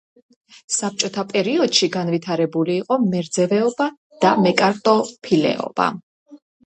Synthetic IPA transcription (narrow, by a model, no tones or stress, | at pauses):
sap̚t͡ʃʼɔt̪ʰapʼɛɾiɔd̪̥ʃiɡanvit̪ʰaɾɛbuliːqʼɔmɛɾd̪zɛvɛɔba | d̪̥amɛkʼaɾt̪ʼɔpʰilɛ̰ʔɔ̰b̥a̰